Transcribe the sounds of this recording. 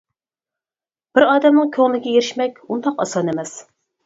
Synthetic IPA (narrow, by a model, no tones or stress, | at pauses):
b̥ɪɾɑːd̪ɛmnɨŋkʲʰøŋlɪɡʲɛjeɾɪʃmɛkʲund̪ɑqɑ̰sɑnemɛs